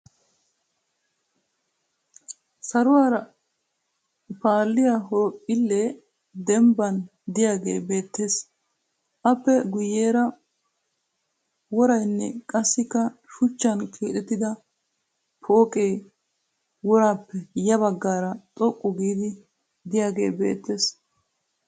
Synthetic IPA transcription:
sɐɾʊwaːɾɐ | paːlːɪjaɦoːpʼːɪlːe | d̪ɛmbɐn | d̪ɪjaːɡe̞̰ːbe̞ːt̪ːe̞ːs | ʔɐpːɛɡʊjːeːɾɐ | wɔɾɐjnːɛ̰kʼɐsːɪkːɐʃʊt͡ʃːɐnkʰeːt̪ɛt̪ːɪd̪ɐ | pʰoːkʼe̞ː | wɔɾaːpːɛjɐβɐɡːaːɾɐt̪ʼɔkʼːɔɡiːd̪ɪ | d̪ɪjaːɡe̞̰ːbe̞̰ːt̪ːe̞ːs

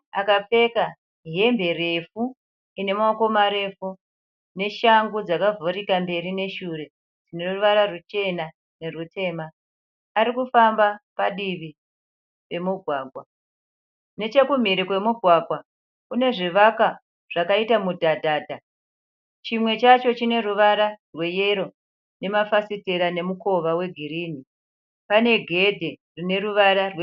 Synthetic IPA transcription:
akap͡fe̞ka | ɦe̞mbe̞re̞fu | ine̞maoko̞maɾe̞fu | ne̞ʃaŋɡud͡zakavoɾikambe̞ɾine̞ʃure̞ | d͡zine̞ruruʋaɾarut͡ʃe̞na | ne̞rute̞ːmaː | ɾikufambapaɗiʋi | pe̞muɡʱwaːɡʱwa | ne̞t͡ʃe̞kum̤iɾikwe̞muɡʱwaɡʱwa | kune̞ʐiʋaka | ʐ̥akaitamudʱadʱaːdʱa | t͡ʃimwe̞t͡ʃat͡ʃo̞t͡ʃine̞ruʋaɾarwe̞jeɾo̞ | ne̞mafasiteɾane̞muko̞ʋawe̞ɡʱiɾiːni | pane̞ɡʱe̞dʱe̞rine̞ɾuʋaɾarwe

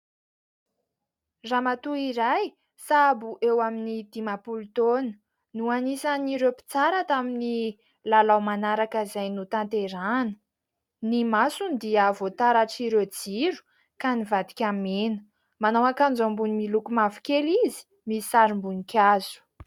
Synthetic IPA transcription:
ramat̪uiɾaj | sabuʔewaminid̪imapult̪onə̥ | nuanisaniɾewpi̥t͡saɾat̪amini | lalawmanaɾakəizajnut̪ant̪eɾanə̥ | nimasund̪iavot̪aɾaʈ͡ʂiɾed͡ziɾu̥ | kanivad̪i̥kʲamenə̥ | manawakand͡zambunimilukumafi̥kʲelizi̥ | misaɾimbunikʲazu̥

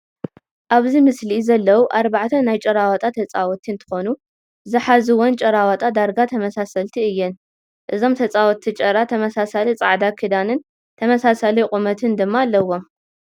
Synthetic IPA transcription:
ʔaβzimɨslizɐlːɐwuʔaɾbaʕt̪ʰɐnajt͡ʃʼɐɾawɐt̪ʼat̪ʰɐt͡sʼawɔt̪ʰint̪ʰɨ̥xonu | zɨħazɨwɔnt͡ʃʼɐɾawɐt̪ʼad̪aɾɡat̪ʰɐmɐsasɐlt̪ʰiɨjːɛn | ʔɨzo̞mt̪ʰɐt͡sʼawɔt̪ʰit͡ʃʼɐɾat̪ʰɐmɐsasalit͡sʼa̰ʕd̪akʰid̪anɨn | t̪ʰɐmɐsasaliqʼumɐt̪ʰɨnd̪ɨmːaːlːɐwo̞m

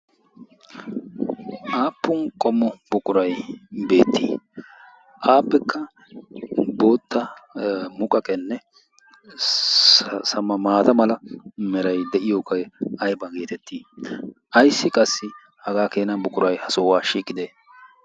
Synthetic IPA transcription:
ʔaːpːʊnkʼɔmːɔbʊkʼʊɾɐjbe̞ːt̪ːḭː | ʔaːpːɛkːɐ | bo̞ːt̪ːɐ | mʊkʼɐkʼɛnːɛ | sɐmɐmaːt̪ɐmɐlɐmɛɾɐjd̪ɛʔɪjoːkɐjɐjbɐɡe̞ːt̪ɛt̪ːiːʔɐjsːɪkʼɐsːɪ | hɐɡaːkeːnɐbʊkʼʊɾɐjhɐsoːwaːʃiːkʼːɪd̪eː

